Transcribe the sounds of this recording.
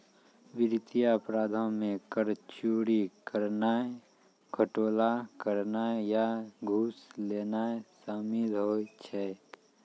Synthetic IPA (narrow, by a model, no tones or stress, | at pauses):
ʋɪɾt̪ijapɾaːd̪ʱãmẽkəɾt͡ʃuːɽikəɾna | kʰəʈoːlakəɾnajaɡʱuːsleːnasaːmilɦoːt͡ʃʰɛ